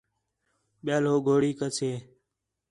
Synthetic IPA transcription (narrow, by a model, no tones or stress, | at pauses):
ɓjaːloːɡʱoːɽiːkət͡ʃʰeː